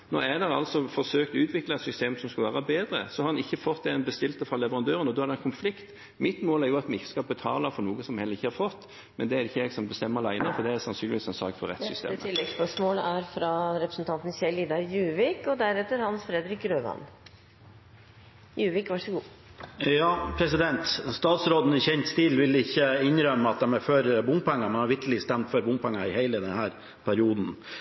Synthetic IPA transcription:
nɔ̰æd̪ɛɑ̰lsɔfɔʁsøːkt̪ʉːt̪ʰʋɪklɑɛt̪sʏst̪eːmsɔmskɑlʋæːʁɾɑbeːd̪ɾə̰sɔhɑɾɑnɪçːəfɔt̪ːɛɛnbəst̪ɪlt̪əfʁɑlɛʋəʁɑnd̪øːɾənɔd̪ʉhɑɾd̪ɛɛnkʰʊnflɪkt̪ | mɪt̪moːlæɾjʊɑt̪mɛɪçə̥skɑbət̪ʰɑːləfɔɾnuːɡəsɔmhɛlːəʁɪçːəhɑɾfɔt̪ː | mɛnd̪ɛæɾɪçːəɛɡsɔmbəst̪ɛmːəlæɪnəfɔɾd̪ɛæsɑnsyːnɪʋiːsɛnsɑk̚t̪fɔɾɛ̰t̪ssʏst̪ḛməɪlːɛɡspœʂmoːlæɾfɾɑɾɛpɾəsn̩t̪ʰɑnt̪n̩çɛɪliːd̪ɑɾjʉːʋɪkɔd̪æɾɛt̪ːəɾhɑnsfɾɛd̪ɾɪkɾøːʋɑ̰n | jʉːʋɪkʋɑʂəɡuː | jɑːpʰɾɛsɪd̪ɛnt̪st̪ɑːt̪sɾoːd̪n̩ɪçɛnt̪st̪iːlʋɪlːɪçːəɪnɾœmːəɑt̪̚d̪ɛmæɾføɾbʊmpɛŋːɑmɛnhɑɾʋɪɾk̪lɪst̪æmt̪fɔɾbʊmpʰɛŋːɑɪhæɪləd̪ɛnhæːɾ | pʰæɾɪuːd̪n̩

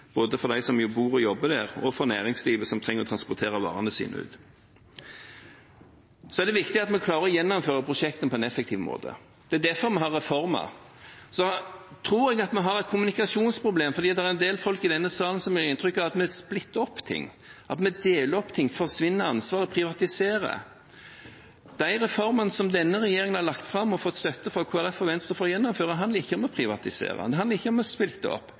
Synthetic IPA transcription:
b̥oːd̪əfɔɾd̪æɪsɔmjʊbuːɾɔjɔbːəd̪æʁɔfɔɾnæːɾɪŋsliːʋəsɔmt̪ʰʁɛŋəʁɾɔt̪ʰɾɑnspɔɾt̪ʰeːɾɑʋɑ̰ːʁɑnəsḭːnə̰ʉ̰ːd̪ | sɔɛd̪ɛʋɪkt̪ɪɑt̪mɛkʰlɑːɾəɾɔjɛnːɔmføːɾəpʰɾʊʂɛk̚t̪ənpʰɔɛnɛfɛkt̪ʰiːʋmo̰ːd̪ə̰ | d̪̥ɛæd̪æfɔɾmɛɦɑɾːɛfɔɾmɑ̰ | sɔt̪ʰɾuːɾɛɡɑt̪mɛɦɑɾɛɪt̪kʰʊmʉnɪkɑsuːnspʰɾʊbleːmfɔɾd̪iːd̪ɛæɾɛnd̪eːlfɔlkɪd̪ɛnːəsɑːlən̩sɔmɛɪnt̪ʰɾʏkːɑʋɑt̪mɛsplɪt̪ːəɔpːt̪ʰɪ̰ŋː | ʔɑt̪mɛd̪eːləɔpːt̪ʰɪŋfɔɾsʋɪnːəɾɑnsʋɑːɾəpʰɾɪʋɑt̪ɪseːɾə̰ | d̪̥æɪɾɛfɔɾmənsɔmd̪ɛnːəɾɛjeːɾɪŋənhɑɾlɑkt̪fɾɑmːɔfɔt̪ːst̪œt̪ːəfɾɑkʰoːæɾɛfɔʋɛnst̪ʁəfoːɾjɛnːɔmføːɾəd̪ɦɑnd̪ləɾɪçːəɔmɔpʰɾɪʋɑ̰t̪ɪsḛːɾə̰d̪ɛɦɑnəɾɪçːəɔmɔspɪlt̪ːəɔ̰pː

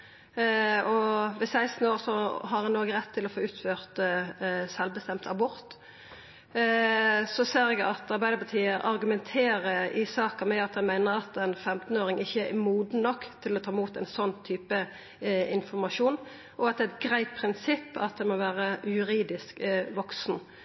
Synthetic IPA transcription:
ɔʋɛsæɪst̪n̩oːɾsɔɦɑɾhɛnːoːɡəʁɛt̪ʰːɪlɔfoːʉːt̪føːʁt̪ | sɛlʋbəst̪ɛmt̪ɑbʊɾt̪ | sɔseːɾɛɡɑt̪ɑɾbæɪd̪əɾpɑt̪ʰiːəʔɑɾɡʉmɛnt̪ʰeːɾəɪsɑːkəmɛɑt̪̚dɛmæɪnəʁɑt̪ɛnfɛmt̪n̩oːɾɪŋɪçːəɛmuːd̪n̩nɔkːt̪ʰɪlɔt̪ʰɑːɪmuːt̪æɪnsɔnːt̪ʰyːpə | ɪnfɔɾmɑʃuːn | ʔɔɑt̪̚d̪ɛɛt̪ɡɾæɪt̪̚pʰʁɪnsɪpːɑt̪̚d̪ɛnmɔʋæːɾəjʉɾiːd̪ɪskʋɔksn

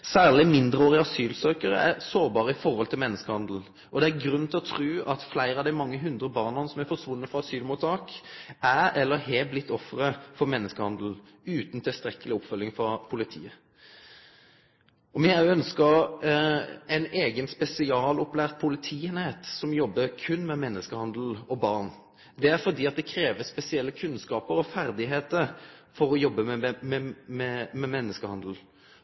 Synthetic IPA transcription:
sæːʁlɪmɪnd̪ʁəoːʁɪɑsyːlsøːkəʁə̰æ̰ʁsoːɾbɑːʁəɪfɔʁhɔlt̪ɪmɛnːəskəhɑnd̪l̩ | ɔd̪ɛæɡɾʉn̩t̪ʰɪlɔt̪ʰʁʉːɑt̪flæɪɾɑʋd̪æɪmɑŋːəɦʉnd̪ɾəbɑːʁnɑnsɔmæfɔsʋʊnːəfʁɑɑsyːlmuːt̪ɑːkæɛlːəɦɛblɪt̪ʰːɔfɾəfɔɾmɛnːəskəhɑnd̪l̩ | ʉːt̪n̩t̪ʰɪlst̪ɾɛkːəlɪɔpfœlːɪŋfɾɑpʰʊlɪt̪ʰḭːə | ɔmɛæœnskɑ | æɪneːɡənspɛsɪɑːlɔplæːʁt̪̚pʰʊlɪt̪ʰiːɛnheːt̪sɔmjɔbːəkʰʉnːmɛmɛnːəskəhɑnd̪l̩ɔbɑʁn | d̪ɛæɾfɔʁd̪iːɑt̪̚d̪ɛkʰɾeːʋəspɛsɪɛlːəkʰʉnskɑːpəɾɔfæɾd̪ɪɦeːt̪əɾfɔɾɔjɔbːəmɛmɛmɛmɛmɛnːəskəhɑnd̪l̩

